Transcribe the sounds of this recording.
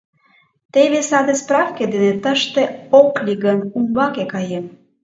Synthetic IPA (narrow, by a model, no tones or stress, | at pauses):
t̪eβesɑd̪espɾɑfked̪enet̪əʃt̪ĕoklʲiɡənumbɑkekɑjem